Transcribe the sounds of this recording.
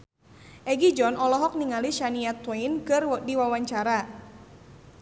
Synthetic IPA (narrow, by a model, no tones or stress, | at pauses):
ʔɛɡid͡ʒɔnɔlɔɦɔk̚niŋaliʃaniat̪wɛjnkɨrdiwawaɲt͡ʃaɾa